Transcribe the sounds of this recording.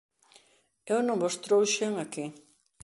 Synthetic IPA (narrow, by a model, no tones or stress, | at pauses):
ewnõŋbost̪ɾowʃeŋaki